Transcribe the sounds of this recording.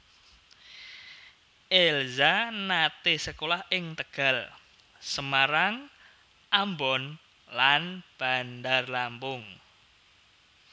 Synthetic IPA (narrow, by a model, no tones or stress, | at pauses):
ʔelzanat̪esəkolahɪŋt̪əɡ̥a̤l | səmaɾaŋ | ʔambɔn | lanb̥a̤ndarlampʊŋ